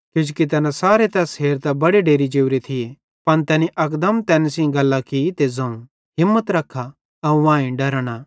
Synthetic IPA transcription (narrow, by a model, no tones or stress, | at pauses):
kjũːd͡ʒukit̪̬ɛːnãsaːɾet̪ɛsɦeːɾt̪ɛbɐɽeɖeːɾid͡ʒeːuɾet̪ʰɪje | pɐnt̪ɛːniʔɐkd̪əmt̪ɛːnsĩɡɐlːakit̪ezɐ̃ũ | ɦɪmːət̪ɾɐkʰːa | ɐʋãːĩɖɐɾɽ̃a